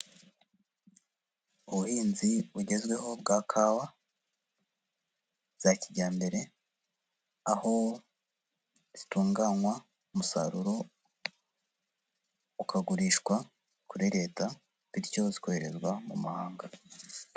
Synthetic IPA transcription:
uβuhiːnziβuɟe̞zɡwe̞ho̞bɡaːkʰaːwa | z̥aciɟaːmbe̞ɾe̞ | aho̞ | z̥ituːŋɡaŋwa | umusa̰ɾuɾo | ukʰaɡuɾiːʃkwa | kuɾiɾe̞ːta | βiɾco̞ziko̞he̞ɾe̞zɡwamṵmahaːŋɡa

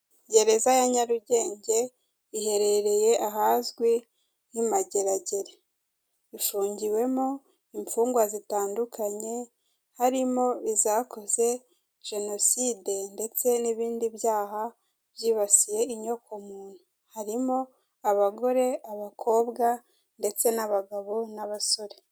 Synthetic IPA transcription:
ɟe̞ɾe̞zajaɲaɾuɟe̞ːɲɟe̞ | ihe̞ɾe̞ɾe̞je̞ʔaɦazɡwi | nimaɟe̞ɾaɟe̞ɾe | ifuːɲɟiwe̞mo | iɱfuːŋɡwazitaːndukʰaɲe̞ | haɾimo̞izako̞ze̞ | ʒ̥e̞no̞siːde̞nde̞t͡se̞niβiːndiβjaːɦa | bjiːβasije̞iɲo̞kʰomuːn̥u | haɾimo̞ | aβaɡo̞ɾe̞aβakʰo̞ːbɡa | nde̞t͡se̞naβaɡaβo̞naβaso̞ɾe̞

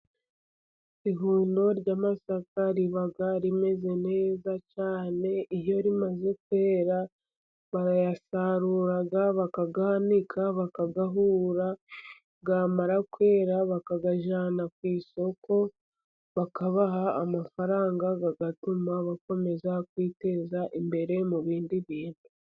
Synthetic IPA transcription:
iɦuːndo̞ɾɟaːmasakaɾiβaɡaɾime̞ze̞ne̞ːzacaːne̞ijo̞ɾimaze̞kwe̞ːɾa | βajasaɾuːɾaɡaβakaɡahanikʰaβakaɡaɦuːɾa | ɡamaɾakwe̞ːɾaβakaɡaʒanakwiːso̞kʰo̞ | βakaβaɦaːmafaɾaːŋɡaɡaɡatumaβako̞me̞zakwiːte̞zaʔimbe̞ɾe̞muβiːndiβiːnu

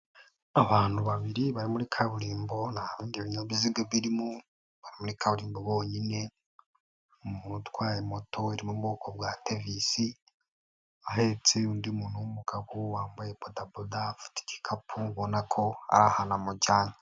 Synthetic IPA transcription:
aβaːn̥huβaβiɾiβaɾimuɾikʰaβuɾiːmbo̞naβiːndiβiɲoβiziɡeβiɾimu | βaɾimuɾikʰaβuɾiːmbo̞βo̞ːɲine | muːnutwaːjemo̞tʰoeɾimubɡoːkoβwatevisi | aɦet͡seundimuːnumuɡ̥aβowaːmbajebodabodafu̥ti̥ci̥kʰapʰuβonakʰo̞a̰ɾahanamuɟaːɲa

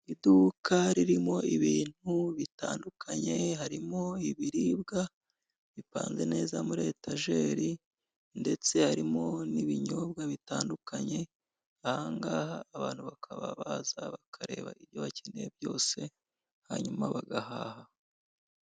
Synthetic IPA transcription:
idukʰaɾiɾimo̞iβiːn̥huβitaːndukʰaɲe̞haɾimo̞iβiɾibɡa | βipa̰ːnze̞ne̞ːzamuɾe̞ːtʰaʒe̞ɾi | nde̞t͡se̞haɾimo̞niβiɲo̞bɡaβitaːndukʰaɲe̞ | ahaŋɡaːhaːβaːn̥huβakʰaβa̰βazaβakʰaɾe̞̰ːβa̰ʔiβjo̞βacʰenebjo̞ːse̞ | ha̰ɲumaβaɡahaːha

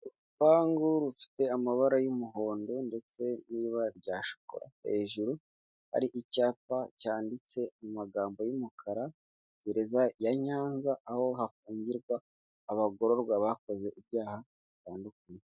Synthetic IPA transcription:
ɾu | paːŋɡuɾufi̥te̞amaβaɾajumuɦo̞ːndonde̞t͡se̞niːβaɾɟaːʃo̥ko̰ɾa̰he̞̰ʒuɾu | ha̰ɾiʔicaːpacaːndit͡se̞mumaɡaːmbo̞jumukʰaɾa | ɟeɾe̞zajaɲaːnzaʔːho̞hafuːɲɟiɾɡwaː | βaɡo̞ɾo̞ɾɡwaβako̞ze̞ʔiβjaːha | βitaːndukaɲe

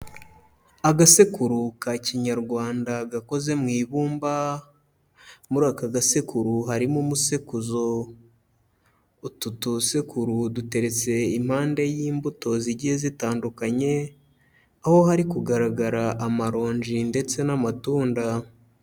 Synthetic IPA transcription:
aɡasekuɾukaciɲaɾɡwaːndaɡako̞ze̞mŋiːβuːmba | muɾaːkaɡasekuɾuɦaɾimumusekuzo̞ | ututusekuɾudute̞ɾe̞t͡se̞im̥haːnde̞jiːmbuto̞ziɟihezitaːndukaɲe̞ | aho̞haɾikuɡaɾaɡaɾaʔamaɾo̞ːɲʒinde̞t͡se̞namatuːnda

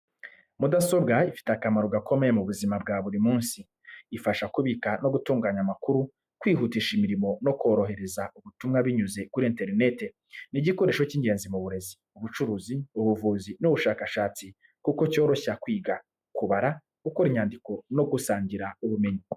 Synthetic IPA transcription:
mudaso̞bɡaifi̥takamaɾo̞ɡako̞me̞jemuβuzimab̚ɡaβuɾimuːnsiː | faʃakuβikano̞ɡutuːŋɡaːɲamakuɾu | kwiːɦutiʃimiɾimo̞no̞ko̞ːɾo̞ɦe̞ɾe̞zaʔuβutumŋaβiɲuze̞kuɾieːnte̞ɾine̞te̞ | niɟiko̞ɾe̞ːʃwociːɲɡe̞ːnzimuβuɾe̞zi̥ | uβut͡ʃuɾuːziuβuvuːzinuβuʃaːkaʃaːt͡si | kuko̞co̞ːɾo̞çakwiːɡa | kuβaɾa | kukoɾiɲaːndiko̞no̞ɡusaːɲɟiɾauβume̞ɲi

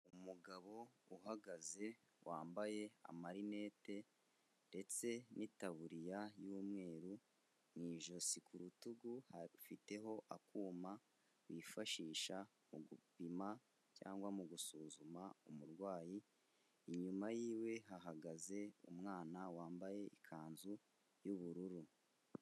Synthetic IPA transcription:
uumuɡaβo̞uɦaɡaze̞ | wʔaːmbaje̞a̰maɾine̞ːte̞ | de̞t͡se̞nʔitaβuɾijajuːmŋe̞ːɾu | mŋiːʒo̞sikʰuɾutuɡufite̞ɦo̞ʔakuːma | wifaʃiːʃa | muɡupima | ca̰ːŋɡwamuɡusuːzumaumuɾɡwaːji | iɲumajiːwe̞ɦaɦaɡaze̞umŋaːnawaːmbaje̞ikʰaːnzu | juβuɾuɾu

